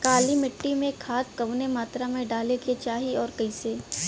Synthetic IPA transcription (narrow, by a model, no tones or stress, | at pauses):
kaːlimɪʈːimẽkʰaːt̪̚kɐʋnemaːt̪ɾamẽɖaːleket͡ʃaːɦiɔːɾkɐĩseː